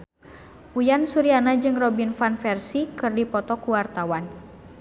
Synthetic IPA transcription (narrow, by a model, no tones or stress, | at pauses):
ujansuɾianad͡ʒɨŋrɔbinfanfɛrsikɨrdipɔt̪ɔkuwart̪awan